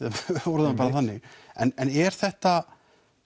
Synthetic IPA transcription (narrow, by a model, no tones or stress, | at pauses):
ɔwɾðampaːɾaθanːɪɣɛnɛnɛɾ̥θɛht̪a